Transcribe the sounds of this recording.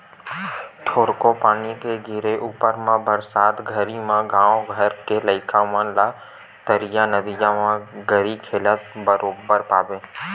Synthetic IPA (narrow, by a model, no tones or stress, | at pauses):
ʈʰoːɾkopaːnikeɡʱiɾeʔuːpəɾmãbəɾsaːt̪ɡʱəɾimãɡãːoɡʱəɾkeləɪkʰamə̃la | t̪əɾijanəd̪id͡ʒãmãɡəɾikʰeːlət̪̚bəɾoːbəɾpaːbẽː